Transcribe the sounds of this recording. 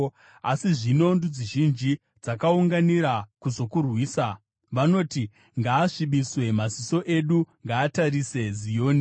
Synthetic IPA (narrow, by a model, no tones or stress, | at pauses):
asiʐino̞ndud͡ziʒind͡ʒi | d͡zakauŋɡaniɾakuzo̞kurwiːsa | ʋano̞ːti | ŋɡaːʂiɓiswe̞maziso̞ʔe̞ɗuŋɡaːtaɾise̞zijo̞ːni